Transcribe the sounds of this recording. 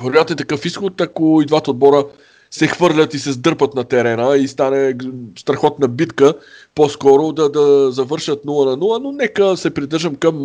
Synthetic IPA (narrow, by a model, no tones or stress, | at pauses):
vɛɾʊjat̪nɛt̪ɐkɤfisxot̪ɐkoid̪vat̪əod̪̚bɔɾə | sɛxvɤɾlʲət̪isɛzd̪ɤɾpət̪nɐt̪ɛɾɛnəist̪anɛst̪ɾɐxɔt̪nɐbit̪kəpɔskɔɾʊd̪ɐd̪ɐzɐvɤɾʃət̪nulˠənɐnulˠənonɛkəsɛpɾid̪ɤɾʒəmkɐm